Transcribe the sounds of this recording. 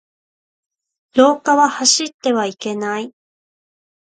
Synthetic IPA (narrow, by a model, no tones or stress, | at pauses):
ɾo̞ːkaβahaɕit̪ːe̞βaike̞nai